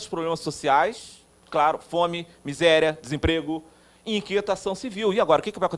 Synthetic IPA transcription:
d̪ʊʃpɾoblẽmɐsosiajs | klaɾʊfõmɪ | mizɛɾjɐd̪ɪzẽpɾeɡʊ | ɪ̃ĩkiet̪asɐ̃w̃siviwiaɡɔɾɐʊkɪkɪvajɐkõt̪

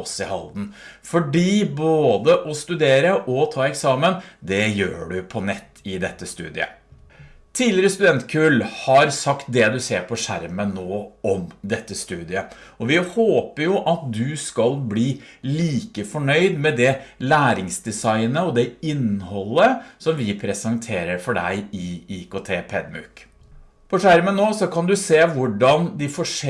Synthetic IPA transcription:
ɔsɪhɑ̰ld̪n̩ | fɔɖiːboːd̪əʔɔst̪ʉd̪eːɾəʔɔt̪ʰɑːɛksɑːmənd̪ɛjøːɖʉpʰɔnɛt̪ːɪd̪ɛt̪ːəst̪ʉ̰ːd̪ɪə̰ | t̪ʰiːd̪lɪɾəst̪ʉd̪ɛnt̪kʰʉlhɑɾsɑkt̪̚d̪ɛd̪ʉseːɾpʰɔʂæ̰ɾmənːoːɔmd̪ɛt̪ːəst̪ʉːd̪ɪəɔʋɪhoːpəɾjʊʔɑt̪̚d̪ʉskɑlbliːliːkəfɔɳœʏd̪mɛd̪ɛlæːɾɪŋsd̪ɛsɑɪnəɔd̪ɛɪnhɔlːəsɔmʋɪpʰɾɛsɑŋt̪ʰeːɾəɾfɔɖæ̰ɪɪiːkoːt̪ʰeːpʰɛd̪mʉ̰ːk | pʰɔʂæɾmənːoːsɔkʰɑnd̪ʉseːʋʊɖɑnd̪ɪfɔʂ

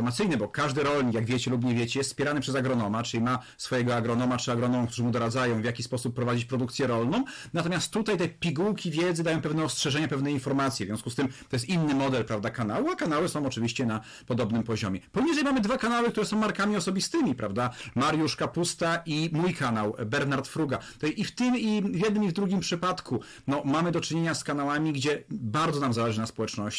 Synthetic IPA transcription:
ɾmat̪sɘjnɘbɔkaʐd̪ɘɾɔlɲikjaɡvʲjet͡ɕɛlup̬ɲɛvʲjet͡ɕɛjɛst̪spʲjɛɾanɘpʂɛzaɡɾɔnɔmat͡ʂɘlʲima | sfɔjɛɡɔaɡɾɔnɔmat͡ʂɘaɡɾɔnɔmɔ̃ŋkt̪uʐɨmud̪ɔɾad̪zajɔ̃w̃vjakʲispɔsupːɾɔvad͡ʑit͡ɕpɾɔd̪ukt̪sʲjɛɾɔlnɔ̃w̃nat̪ɔmʲjast̪ːut̪ajt̪ɛpʲiɡuwkʲivʲjɛd̪zɘd̪ajɔ̃w̃pɛvnɛɔstʂɛʐɛɲapɛvnɛinfɔɾmat̪sʲjɛvzʲɔ̃skust̪ɘmt̪ɔjɛs̬t̪ʲinːɘmɔd̪ɛlpɾavd̪akanawuakanawɘsɔ̃w̃ɔt͡ʂɘvʲiɕt͡ɕɛna | pɔd̪ɔbnɘmpɔʑɔ̰mʲjɛpɔjɲiʐɛjmamɘd̪vakanawɘk̚t̪uɾɛsɔ̃w̃maɾkamʲiɔsɔbʲist̪ɘmʲipɾa̰vd̪amaɾjuʂkapust̪aʔimujkʰanawbɛɾnaɾt̪fɾuɡat̪ɔjift̪ɘmivʲjɛd̪̚nɘmivd̪ɾuɡʲimpʂɘpat̪kʰu | nɔmamɘd̪ɔt͡ʂɘɲeɲaskan̪awamʲiɡd͡ʑɛbaɾd̪zɔnamzalɛʐɘnaspɔwɛt͡ʂnɔɕt͡ɕ

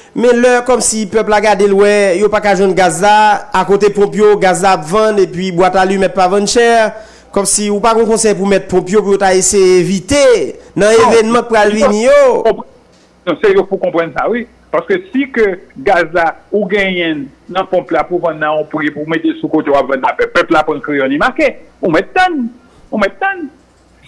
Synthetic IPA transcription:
mɛ̃lœkɔmsipœplaɡadelwɛjopakaʒwɛ̃nɡazlaːkot̪epɔ̃pjoɡazlaːpvɐ̃nepɥibwatalymɛt̚pavãnʃɛʁ | kɔmsiupaɡɔ̃kɔ̃sɛjp̬umɛt̚pɔ̃pjop̬ujotaesejeevit̪enɐ̃evɛnmʌ̃k̚pɣalvinijoɔ̃ | nɔ̃sejopukɔ̃pʁʌ̃nsawi | paʁskøsikøɡazlauɡɛ̃jɛ̃nɐ̃pɔ̃plapuvɐ̃nːãɔ̃pɣipumet̪esukot̪ejowapvɐ̃nːafɛpɛplapɐ̃nkʁijɔ̃nimakeumɛt̪̚d̪ʌ̃n | umɛt̪̚d̪ãn

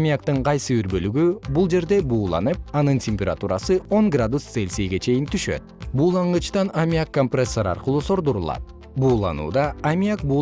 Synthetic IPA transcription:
mʲiakt̪ɯɴqʰɑjsɯyɾbø̞lyɡybulˠd͡ʒe̞ɾd̪e̞buːlˠɑ̰nɯp̚ɑnɯntʲemʲpʲeɾat̪uɾɑsɯo̞ŋɡrad̪ust̪selʲsejɡe̞t͡ʃʰe̞jint̪ʰyʃø̞̰t̪̚buːlˠɑɴɯt͡ʃt̪ɑnamʲijakːompresːoɾɑ̰ɾqɯlˠuːso̞ɾd̪uɾulˠɑ̰t̪̚ | buːlˠɑ̰nṵːd̪ɑːmʲijak̚buː

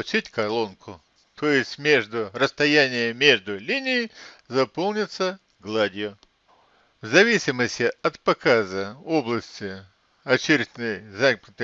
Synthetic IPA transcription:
t͡ɕitʲkɐrlˠonkʰʊ | t̪ʰojɪsʲtʲmʲe̞ʐd̪ʊrəst̪ɐjanʲɪjəmʲe̞ʐd̪ʊlʲinʲɪɪzɐpolˠnʲɪt̪sə | ɡlˠadʲɪjʊ | vzɐvʲisʲɪməsʲtʲɪɐt̪pɐkazəoblˠəsʲtʲɪ | ɐt͡ɕɪɾʲɪd̪nojzapʲɪt̪ɨ

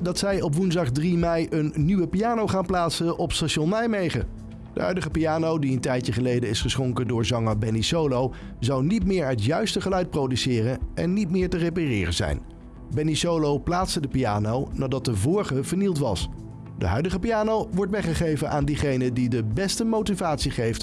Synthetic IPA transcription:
dɑtsɛjɔpʋunzdɑχdrimɛjənːyʋəpijaːnowχaːnplaːtsənʔɔpstaʃonɛjmejχə̰ | d̥ə̰ɦœ̰ɥdəχəpijaːnowdiəntɛjtjəχəlejdəɪsχəsχɔŋkədʊːɹzɑŋabɛnisowlow | zɑwnitmɪːɹətjœɥstəχəlœɥt̚prowdysɪːrənɛ̰nːitmɪːɹtərep̬arɪ̰ːrəzɛ̰jn | bɛnisowlowplaːtsədəpija̰ːnownaːdɑt̚dəvɔːɹχəvəɹnilˠtʋɑ̰s | də̰ɦœ̰ɥdəχəpiaːnowʋɔɹtʋɛχəχejvənʔaːndiχejnədidəbɛstəmowtivaːtsiχejft

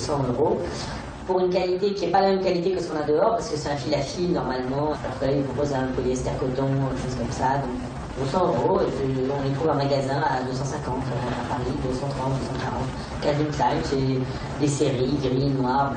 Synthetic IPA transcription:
sɑ̃øʁo | puʁynk̬alit̪ekʲiɛpalamɛmkalit̪ekəsə̥kɔ̃nad̪əɔʁpaʁsəkəsɛt̪ãfilafijnɔʁmalmɑ̃lɔ̰ʁkəlailpχɔ̃pozɛ̃kɔlɛɛst̪ɛʁkɔt̪ɔ̃eʃozkɔmsad̪ɔ̃k | d̪øsɑ̃øʁoeəɔ̃net̪χuvɛ̃maɡazɛ̃ad̪øsɑ̃sɛ̃kɑ̃t̪apaʁid̪øsɑ̃t̪χɑ̃t̪̚d̪øsɑ̃kaʁɑ̃t̪ | kavint̪lajmsɛ | d̪eseʁiɡʁinwaʁ

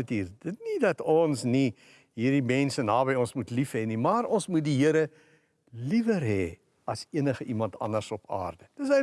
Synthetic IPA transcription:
tiːrd̥ətnidɐtɔnsni | ɦiːrdimɛnsənɑːbɛjɔnsmutlifɦɛnimɑːrɔnsmut̚diɦiəɾə | livərɦɛ | ɐsiənəχəʔimɐntɐ̰nərsɔpɑ̰ːrdədəs̬ə

